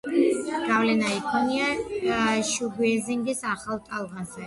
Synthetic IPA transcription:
ɡ̥avlɛnaikʰɔnia | ʃuɡiɛziŋɡisaχalˠt̪ʼalˠʁanzɛ

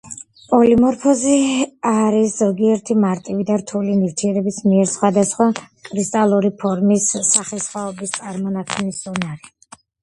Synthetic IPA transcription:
pʼɔlimɔɾpʰɔziaɾisz̥ɔɡiɛɾt̪ʰimaɾt̪ʼivid̪aɾt̪ʰulinivt̪ʰiɛɾɛbismiɛɾsχwad̪asχwa | kʼɾist̪ʼalˠuɾipʰɔɾmisːaχɛsχwaɔbist̪sʼaɾmɔnakʰɔniszɔnaɾi

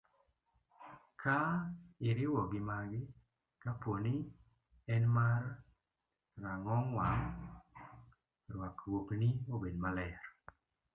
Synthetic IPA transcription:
kʰaɪɾɪwɔɡɪmaɡɪ | kaponi | ɛnmar | aŋɔŋwaŋ | ɾwakwokniobedmalɛɾ

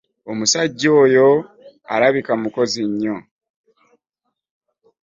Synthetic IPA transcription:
o̞musaɟːo̞ːjo̞ | a̰ɾaβikamuko̞ziɲːo̞

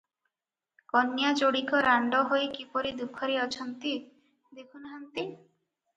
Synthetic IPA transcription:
kɔnjat͡ʃoɽikɔɾaɳɖɔɦojkipɔɾid̪upʰɔɾiɔt͡ʃʰɔnt̪i | d̪ekʰunɦant̪i

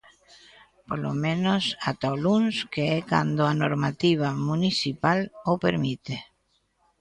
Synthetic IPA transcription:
polo̰mẽnosat̪alunskeɛka̰nd̪oanoɾmat̪iβ̞amunisipalopeɾmit̪e

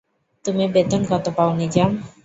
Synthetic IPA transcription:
t̪umibet̪onɡɔt̪opaonid͡ʑam

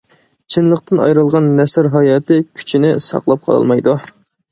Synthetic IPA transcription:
t͡ʃʰɪnlˠəqt̪ɨnɑ̰jɾɨlˠʁɑnːɛsɾɦɑjɑːt̪ɪkʲʰy̥t͡ʃʰinɪsɑ̰qlˠɑp̚qʰɑlˠɑ̰lˠmɑjd̪u

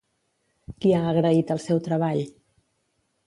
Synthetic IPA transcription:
kiaəːɣɾəit̪əlˠsɛwt̪ɾəβ̞aʎ

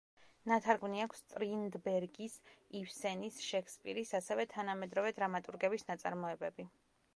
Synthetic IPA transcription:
nat̪ʰaɾɡmniakʷʰst̪ʼɾind̪bɛɾɡisifsɛnisʃɛkʰspʼḭɾisasɛvɛt̪ʰanamɛd̪ɾɔvɛd̪ɾamat̪ʼuɾɡɛbisnat̪sʼa̰ɾmɔɛbɛbi

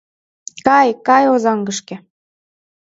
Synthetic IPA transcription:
kɑjkɑjozɑŋɡəʃkĕ

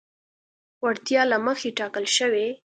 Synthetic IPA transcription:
waɽt̪jɑlaməxeʈɑkəlʃəwe

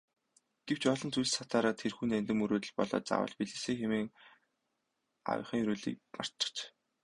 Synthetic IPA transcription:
ɡ̥ewt͡ɕɔɮɞ̆nt͡sujsat̪aːɾaːt̪ʰerxuːnænt̪ɘ̆mɵɾoːt̪ɘ̆ɮpɔɮɔ̰ːt͡sa̰wə̰̆ɮpiɮɘ̆seːxemeːŋ | ɔ̰wʲχĭːŋɾoːɮḭːkma̰r̥t͡ɕə̥̆t͡ɕ

